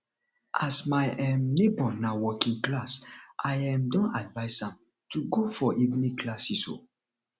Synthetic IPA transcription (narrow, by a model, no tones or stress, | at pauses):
ʔasmajɛmnebɔnawɔkĩŋklasʔajãmdɔ̃nadvaɪsãm | tuɡofɔʔiɡniklasiso̰